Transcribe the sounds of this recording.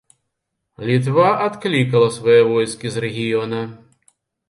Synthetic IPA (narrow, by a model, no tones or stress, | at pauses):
lʲit̪̬vaʔat̪klʲikɐlˠɐsʋɐjɛvɔjskʲizɾɛɣʲijɔnɐ